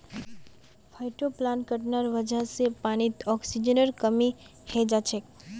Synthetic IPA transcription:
fʰajʈoplankəʈnaɾʋəd͡ʒʱasepañit̪ɔksid͡ʒənəɾkəmi | hed͡ʒat͡ʃʰek

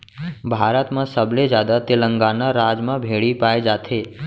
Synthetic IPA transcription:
bʱaɾət̪mãsəbled͡ʒjad̪at̪eləŋɡanaɾad͡ʒmãbʱeɭipaed͡ʒat̪ʰe

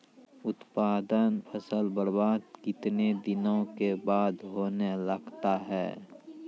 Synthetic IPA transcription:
ʊt̪paːd̪ənpʰəsəlbəɾbaːd̪kɪt̪ned̪ɪnõkebaːd̪ɦoːneləɡt̪aɦɛ̰ː

